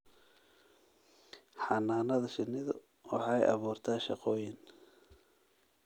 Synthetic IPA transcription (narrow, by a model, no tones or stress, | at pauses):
ħɑnaːnɐðɐʃɪnːɪðʊ | wɑ̰ħɑ̰ːjʔɑ̰βuːrt̪ʰaːʃɑqɔːjɪn